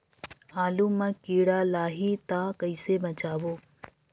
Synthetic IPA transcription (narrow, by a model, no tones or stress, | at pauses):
aːluːmãkiːɽaːlaːɦit̪ãːkɐɪsemɐt͡ɕaːʋoː